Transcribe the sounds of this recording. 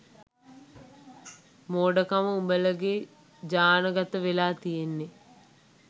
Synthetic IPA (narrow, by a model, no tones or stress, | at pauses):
moːɖəkaməumbələɡe | d͡ʒaːnəɡat̪əʋelaːt̪ijenːe